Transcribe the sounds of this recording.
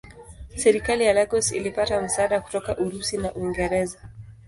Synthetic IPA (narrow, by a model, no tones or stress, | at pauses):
sɛɾikalijalaɡɔsḭlipatam̩saaɗaku̥tɔkaʔuɾusinaʔuiŋɡɛɾɛza